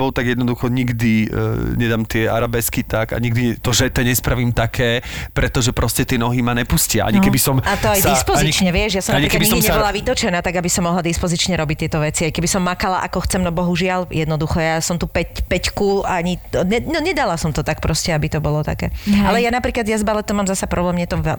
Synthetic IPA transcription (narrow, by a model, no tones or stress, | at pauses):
bɔlˠt̪aɡjɛd̪nɔd̪uxɔɲiɡd̪iɲɛd̪aːmt̪ɪɛa̰ɾabɛskit̪aɡa̰ɲiɡd̪iɛt̪ɔʒɛt̪ɛɲɛspɾaʋiːmt̪akʰɛːpɾɛt̪ɔʒɛpɾɔscɛt̪ɪɛnɔɦimaɲɛpuscɪa̰a̰ɲikɛbisɔmat̪ɔajd̪ispɔaziɲit͡ʃɲɛʋɪɛʒjasɔmaɲikɛbiɡsɔdimɲɛbɔlaʋit̪ɔt͡ʃɛnaːt̪aɡabisɔmːɔɦlad̪ispɔzit͡ʃɲɛɾɔbict̪ɪɛt̪ɔʋɛt͡siajkɛbisɔmːakala̰ʔa̰kɔxt͡sɛmnɔbɔɦuʒɪaljɛd̪nɔd̪uxɔjasɔmt̪upɛcpɛckuaɲiɲɛɛɲɛd̪alasɔmt̪ɔt̪ak̚pɾɔscɛabit̪ɔbɔlɔt̪a̰kɛ̰ːʔalɛjanapɾiːklad̪jazbalɛt̪ɔmaːmzasapɾɔblɛːmɲɛt̪ɔʋɛ